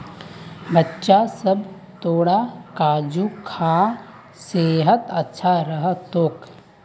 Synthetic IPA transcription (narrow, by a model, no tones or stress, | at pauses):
bətːʃasəb | t̪oːɽakaːd͡ʒukʰãː | seːɦət̪ɐtːʃʰaɾəɦət̪oːk